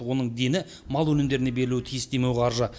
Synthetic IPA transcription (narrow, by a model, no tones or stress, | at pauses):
wo̞nəɴd̪e̞nɪ | mɑlˠwɵnɪmd̪e̞ɾɪne̞be̞ɾɪluwɪt̪ʰijɪsd̪e̞mewɑɾʒə